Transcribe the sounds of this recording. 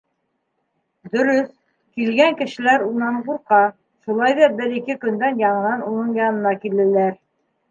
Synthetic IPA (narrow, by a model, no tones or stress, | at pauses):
d̪ɵ̆ɾɵs | kilɡæŋkɘ̆ʃɘ̆læɾunɑɴquɾqɑ | ʃulˠɑjðɑbɘɾikɘkɵ̆nd̪ænjɑɴɤ̆nɑnunɤɴjɑnɤ̆nɑkilɘ̆læɾ